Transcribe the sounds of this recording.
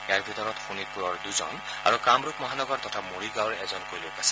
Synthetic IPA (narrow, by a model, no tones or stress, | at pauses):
ɛaɹbʱit̪ɔɹɔt̪xʰunipuɹɔɹd̪uzɔ̰n | a̰ɹukamɹukmɔɦanɔɡɔɹt̪ɔtʰamoɹiɡawɹɛzɔnkojlokasɛ̥